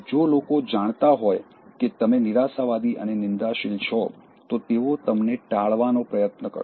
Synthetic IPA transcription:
d͡ʒolokod͡ʒaɳ̃t̪aɦɔj | ket̪əmeniɾasaʋad̪iʔə̰nenɪnd̪aʃɪlt͡ʃʰɔ | t̪ot̪eʋot̪əmneʈaɭʋanopɾəjət̪nəkə̰ɾ

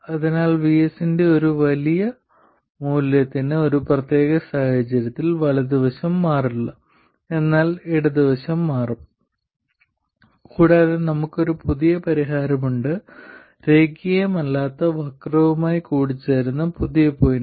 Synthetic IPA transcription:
ɐðinaːlʋiesinde̞o̞ɾuʋɐlijɐ | muːljɐt̪ːinɨo̞ɾuprɐt̪je̞ːɣɐsaːhɐt͡ɕɐɾɐt̪ːilʋɐɭɐd̪iʋɐɕɐmːaːriɭːɐ | e̞nːaːliɽɐðiʋɐɕɐmːaːrɐm | kuːɽaːðenɐmukːo̞ɾupuðijɐpɐɾiɦaːɾɐmuɳɖɨ | ɾe̞ːɡijɐmɐlːaːt̪ːɐʋɐkrɐʋumaːjikuːɽit͡ɕːaːjɾunːɐpuðijɐpːo̞ːjin

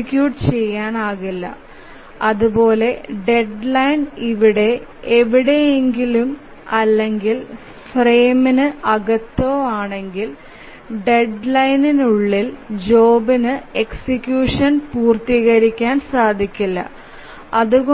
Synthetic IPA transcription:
ikʲːjuːʈt͡ɕe̞jːaːnaːɣilːɐ̰ | ɐðubo̞ːle̞ɖe̞ɖlɐjniʋiɽe̞ | eʋiɽe̞jeŋɡilum | ɐlːe̞ŋɡil | fre̞ːminɨʔɐɣɐt̪ːoaːɳe̞ŋɡil | ɖe̞ɖlɐjninuɭːild͡ʑo̞ːbinɨe̞ksikʲjuːʂɐnpuːrt̪iːɣɐɾikʲːaːnsaːd̪ʱikʲːilːɐ̰ | ɐðuɣo

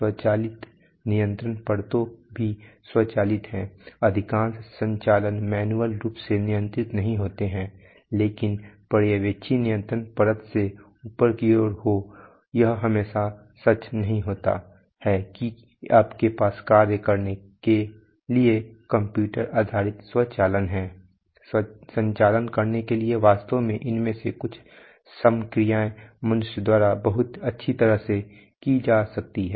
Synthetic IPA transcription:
swət͡ʃaːlɪt̪ | nijə̃nt̪ɾənpəɽt̪õbʱiswɐt͡ʃaːlɪt̪ɦɛ̃ːɐd̪ʱɪkãːnssə̃ɲt͡ʃaːlənmɛːnuəlɾuːpsenɪjə̃nt̪ɾɪt̪nɐɦĩɦoːt̪eɦɛ̃ː | leːkɪnpəɽjəʋeːʃʰinɪjə̃nt̪ɾənpəɾət̪se | uːpəɾkioːɾɦo | jɐɦɦɐmeːʃa | sɐt͡ʃnɐɦĩɦoːt̪a̰ | hɛːki | aːpkepaːskaːɾjəkɐɾne | ke | liekɐ̃mpjuːʈəɾaːd̪ʱaːɾɪt̪swɐt͡ʃaːlənɦɛː | sə̃ɲt͡ʃaːlənkəɾnekelieʋaːst̪omẽʔɪnmẽsekʊt͡ʃʰ | səmkɾijaːẽmɐnʊʃjəd̪waːɾabɐɦʊt̪ɐtːʃʰit̪ɐɾəɦse | kid͡ʒaːsɐk̚t̪iɦɛː

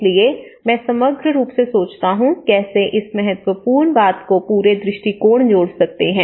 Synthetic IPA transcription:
lie | mɛ̃ːsɐməɡʱɾəɾuːpsesoːt͡ʃt̪aɦũkɛːseʔɪsmɛɦət̪wəpuːɾɳbaːt̪kopuːɾed̪ɾɪʃʈikoːɽ̃d͡ʒoːɽsɐk̚t̪eɦɛ̃ː

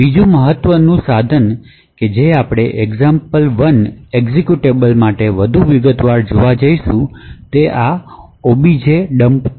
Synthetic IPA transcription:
bid͡ʒũməɦət̪ːʋənũsad̪ʱən | ked͡ʒeapɽ̃eʔeɡzampəlʋəneɡzekjuʈebəlmaʈeʋəd̪ʱuʋɪɡət̪ʋaɭd͡ʒoʋad͡ʒəiʃũt̪eʔa | obid͡ʒeɖəmp

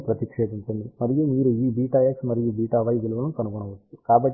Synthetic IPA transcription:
pɾɐt̪ikʂe̞ːd̪iɲt͡ʃund̪imɐɾijumiːɾuiːbiːʈaːjeksmɐɾijubiːʈaːʋɐjʋiluʋɐnukɐnuɡoɳɐʋɐt͡ʃːukaːbɐʈː

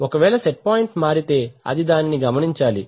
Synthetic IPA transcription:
ɔkɐʋɛːlɐseʈ̚paːjɳʈmaːɾit̪e̞ːɐ̰d̪id̪aːniniɡɐmɐniɲt͡ʃaːli

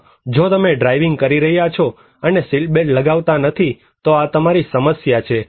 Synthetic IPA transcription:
d͡ʒot̪əmeɖɾajʋɪŋɡ̚kəɾiɾəɦjat͡ʃʰo | ənesilʈ̚beʈləɡaʋt̪anət̪ʰi | t̪oat̪əmaɾisəməsjat͡ʃʰe

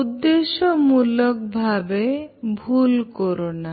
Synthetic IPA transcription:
ud̪ːeʃɔmulɔk̚bʱabebʱulkɔɾona

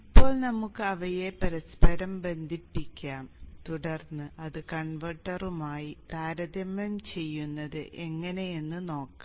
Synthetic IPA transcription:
ipːo̞ːɭnɐmukːɨɐʋɐjepɐɾɐspɐɾɐmbe̞nd̪ʱipːikʲːaːmt̪uɽɐrnːɨʔɐðɨkɐɳʋɐʈːɐrumaːjit̪aːɾɐd̪ɐmɐmt͡ɕe̞jːunːɐðɨʔe̞ŋːɐne̞jenːɨno̞ːkːa

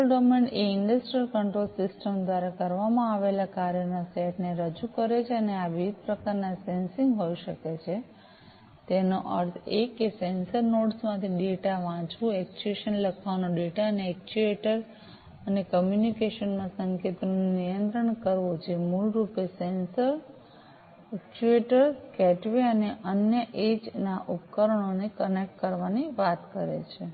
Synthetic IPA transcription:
lɖomeɳɖeɪɳɖəsʈɾijəlkəɳʈɾolsɪsʈəmd̪wʋaɾakəɾʋamãːʋelakaɾjənaseʈneɾəd͡ʒukəɾet͡ʃʰeəneaʋiʋid̪̚pɾəkaɾnasensĩŋɡɦoiʃəket͡ʃʰe | t̪enoʔə̰ɾt̪ʰekesensəɾnoɖsmãt̪ʰiɖeʈaʋãt͡ʃʋũɛk̚t͡ʃueʃənləkʰanoɖeʈaəneɛk̚t͡ʃueʈəɾ | ənekəmjunikeʃənmãsəŋket̪nunijənt̪ɾəɳkəɾʋod͡ʒemulɾupesensəɾ | ɛkt͡ʃueʈəɾkɛʈʋeəneʔənjəʔed͡ʒnaʔupkəɾəɳ̃onekənek̚ʈkəɾʋaniʋat̪kəɾḛt͡ʃʰe

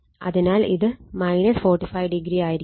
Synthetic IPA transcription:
ɐ̰ðinaːlḭðɨmɐjnɐsfoːrʈːifɐjʋɖiɡɾiaːjiɾi

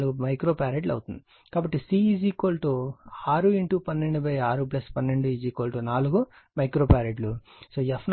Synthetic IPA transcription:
luɡumɐjkɾo̞ːpaːɾeɖlɐ̰wt̪und̪i | ikaːbɐʈːisiːiːd͡ʒikoːlʈoːaːɾuiɳʈupɐnːeɳɖubɐjaːɾup̬lɐspɐnːeɳɖuiːd͡ʒikoːlʈoːnaːluɡu | mɐjkɾoːpaːɾeɖlusoːepʰn

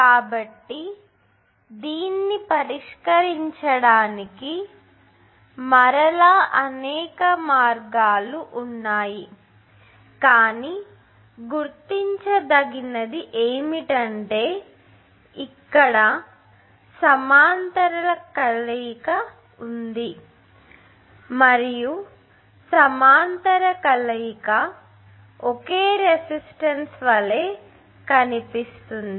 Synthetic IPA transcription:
kaːbɐʈːi | d̪iːnːipɐɾiʂkɐɾiɲt͡ʃɐɽaːniki | mɐɾɐlaːʔɐnɛːkɐmaːɾɡaːluʔunːaːji | kaːniː | ɡuɾt̪ːiɲt͡ʃɐd̪ɐɡinɐd̪iʔeːmiʈɐɳʈe̞ː | ikːɐɽɐ | sɐmaːnt̪ɐɾɐlɐkɐlɐjikɐ | und̪i | mɐɾiju | sɐmaːnt̪ɐɾɐkɐlɐjikɐ | okeːɾesisʈɐnsʋɐle̞ː | kɐnipist̪und̪i

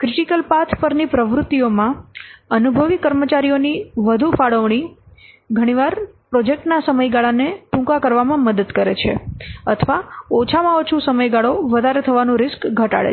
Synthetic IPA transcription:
kɾɪʈikəlpat̪ʰpəɾnipɾəʋɾʊt̪ːiomãənubʱəʋikəɾmət͡ʃaɾijoniʋəd̪ʱufaɽəʋɳ̃i | ɡʱəɽ̃iʋaɾpɾod͡ʒek̚ʈnasəməjɡaɭaneʈũkakəɾʋamãməd̪əd̪kəɾḛt͡ʃʰḛət̪ʰʋaot͡ʃʰamãot͡ʃʰusəməjɡaɭoʋəd̪ʱaɾet̪ʰəʋanũɾɪskɡʱəʈa̰ɭḛ

